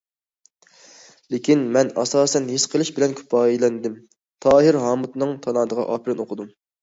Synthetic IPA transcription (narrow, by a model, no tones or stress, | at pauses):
lekʲʰinmɛnɑ̰sɑːsɛnɦesqʰəlˠɨʃbɪlɛnkʲʰy̥pʰɑːjilɛnd̪ɪm | t̪ʰɑːɦɪɾɦɑːmut̪nɨŋt̪ʰɑnɑːd̪əʁɑ̰ʔɑ̰ːpʰɪɾɪnoqʰʊd̪um